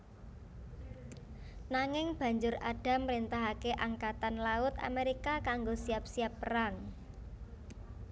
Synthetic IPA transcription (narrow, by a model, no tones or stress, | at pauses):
naŋɪŋb̥a̤ɲd͡ʒʊraɖ̥a̤mɾint̪aɦakeʔaŋkat̪anlaʊt̪a̰meɾikakaŋɡosiap̚siapːəɾaŋ